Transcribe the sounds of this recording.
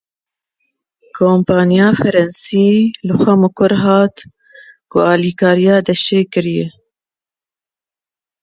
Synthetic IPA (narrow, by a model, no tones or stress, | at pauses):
kʰoːmpɑːnijɑːfɛɾɛnsiːlɨxʷɛmʊkʊɾɦɑːt̪ | kʊɑːliːkʰɑːɾijɑːd̪ɛʃeːkɨɾijɛ